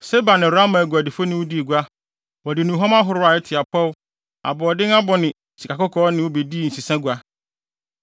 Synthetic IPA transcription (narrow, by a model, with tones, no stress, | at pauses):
sɛ˦ba˨nɪ̃˨ɾa˦mã˨ɡu˨æ˨dɪ˨fo˦nɪ̃˨wʊ˦di˦e˨ɡu˨˦a˦ | wɔ˨dɪ˨nũ˨ɦɔ̃˦ma˦ɦʊ˨ɾʊ˦a˨ɛ˦tʰɪ˨a˨pʰɔ˦w | a̰˨bɔ˨ɔ˨dɪ̃˦ŋa˦bɔ˨nɪ̃˨ | si˨kʰa˨kʊ˦kʰɔː˦nɪ̃˨wo˦be˨di˦˨n̩˨si˨sã˦ɡu˨a˦